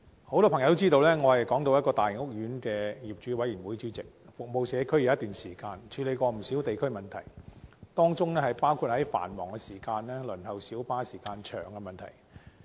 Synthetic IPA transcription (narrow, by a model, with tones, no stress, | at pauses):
ho˨˥wt̪ɔː˥pʰŋjɐ˨˧t̪t͡siː˥t̪o˧wlɛː˥ŋɔː˨˧hɐ˨jkɔː˨˥ŋt̪o˧wjɐ˥t̚kɔː˧t̪aː˨jɪ˨˩ŋʊ˥k̚jyː˨˥nkɛː˧jiː˨˩p̚t͡ʃyː˨˥wɐ˨˥jiː˨˩wuː˨˥jt͡syː˧˥t͡sɪ˨k̚fʊ˨k̚mo˨wsɛː˨˧kʰɵ˥ɥjwjɐ˥t̪yː˨nsiː˨˩kaː˧nt͡ʃʰyː˨˧le˨˧jkʷɔː˧m̩˨˩siː˨˥wt̪e˨jkʰmɐ˨nt̪ʰɐ˨˩jt̪ɔː˥ŋt͡sʊ˥ŋlɛː˥hɐ˨jpaː˥wkʰu˨˧t̚hɐ˨˥jfa̰ː˨˩nmɔ̰ː˨˩ŋkɛ˧siː˨˩kaː˧nlɛː˥lɵ˨˩nɦɐ˨wsiː˨˥wpaː˥siː˨˩kaː˧nt͡ʃʰœ̰ː˨˩ŋkɛ˧mɐ˨nt̪ʰɐ̰˨˩j